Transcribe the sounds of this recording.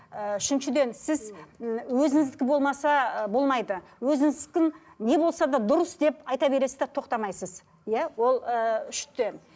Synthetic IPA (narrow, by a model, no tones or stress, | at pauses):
əʏʃɪnʃɪd̪e̞nsɪzwɵzɪŋɪzd̪ɪkʲɪbo̞lˠmɑsɑbo̞lˠmɑjd̪əwɵzɪŋɪzd̪ɪkʲɪ | ne̞bo̞lˠsɑd̪ɑd̪ʊɾəsd̪e̞pɑjt̪ɑbe̞ɾe̞sɪzd̪et̪ʰo̞qt̪ɑmɑjsəz | jæwo̞lˠəʏʃt̪en